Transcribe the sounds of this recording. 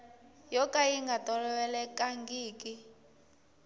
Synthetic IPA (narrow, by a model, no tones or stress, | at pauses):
jɔkʼaiŋɡatʼɔlɔwɛlɛkʼaŋɡiːkʼi